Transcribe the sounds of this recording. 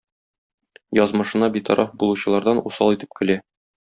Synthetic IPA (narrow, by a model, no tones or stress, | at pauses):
jɒzmɤ̆ʃɤ̆nɑbit̪ʰɒ̰ɾʔɑfbulˠuɕɤ̆lˠɑɾd̪ɑnusɑlˠit̪ɘ̥p̚kɘ̆læ